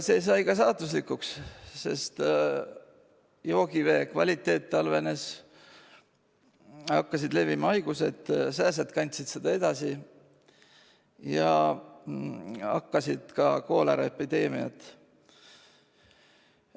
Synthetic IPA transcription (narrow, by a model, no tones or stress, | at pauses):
se̞ːjs̬ɑjkɑs̬ɑːt̪uslikːˑuksse̞̰st̪ | jo̞ːɡ̥ive̞ːkvɑ̰lʲit̪ːˑe̞ːt̪ːɑlve̞ne̞s | hɑkːɑsid̪le̞vimɑɑjɡ̥use̞t̪ːsæːs̬et̪kɑnʲt̪sit̪sed̪̥ɑe̞d̪ɑsi | jɑ̰ | ɑ̰kːɑsid̪̥kɑko̞ːlɑ̰ɾe̞pːid̪e̞ːmiɑ̰t̪ˑ